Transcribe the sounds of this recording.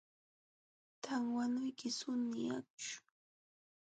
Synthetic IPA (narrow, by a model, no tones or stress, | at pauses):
t̪ʰaŋwanʊjkɪsʊnɪjakt͡ʃʊ̥